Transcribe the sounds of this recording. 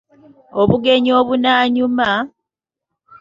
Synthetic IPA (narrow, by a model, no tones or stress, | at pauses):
oβuɡe̞ɲoːβunaːɲuma